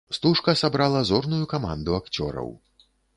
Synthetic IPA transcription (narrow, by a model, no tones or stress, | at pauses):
st̪uʂkɐsabɾalˠɐzɔrnujukama̰nd̪uakt͡sʲɔ̰ɾɐ̰w